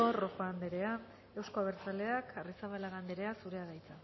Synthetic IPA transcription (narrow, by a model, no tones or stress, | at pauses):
o̞ro̞foand̪eɾe̞a | e̞wsko̞aβ̞eɾt͡sale̞akʰarisaβalaɣand̪eɾe̞asuɾe̞aɣajt͡sa